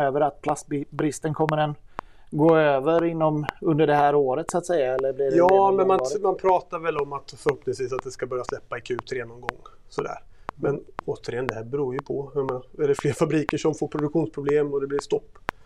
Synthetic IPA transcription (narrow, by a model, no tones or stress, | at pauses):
øːvəɾat̪̚pʰlasbbɾɪst̪ənkʰɔmːəɖɛn | ɡoːøːvəɾɪnːɔmɵnd̪əɖɛhæːɾoːɾət̪sʊat̪sɛjːaɛlːəɾblɪɾɖjɑːmɛnmanmanpʰɾɑːt̪aɾvɛlɔmat̪fœɾhɔpnɪŋsviːsat̪̚d̪ɛskabœɾjaslɛpːaɛkʰʉ̟ːt̪ɾeːnɔmɡɔ̰ŋːsɔd̪æ̰ːɾ | mɛnoːt̪əɾɪjɛnd̪ɛhæːɾbɛɾuːɾjɵpʰɔjameːnaɛɖɛfleːɾfabɾiːkəʂɔmfoːɾpʰɾʊd̪ɵkɧuːnspʰɾʊbleːmɔd̪ɛblɪɾst̪ɔpː